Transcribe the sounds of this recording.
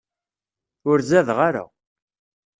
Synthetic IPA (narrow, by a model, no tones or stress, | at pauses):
ʊɾzæðʁaɾa̰